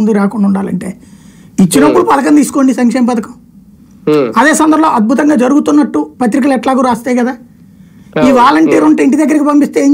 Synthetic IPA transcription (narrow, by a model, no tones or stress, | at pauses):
nd̪uɾaːkuɳɖauɳɖaːlɐ̰ɳʈeː | it͡ʃːinɐpːuɽupɐd̪ɐkɐnt̪iːsu̥ko̞ːɳɖisɐŋkʂeːmɐpɐd̪ɐkɐm | ɐd̪e̞ːsɐnd̪ɐɾlo̞ːʔɐd̪̚bʱut̪ɐŋɡaːd͡ʒɐɾuɡut̪unːɐʈːupɐt̪ɾik̬ɐlɛʈlaːɡuːɾaːst̪aːjkɐd̪aː | iːʋaːlɐɳʈiːɾuɳʈeiɳʈid̪ɐɡːɐɾikibɐmpist̪eːeːɲ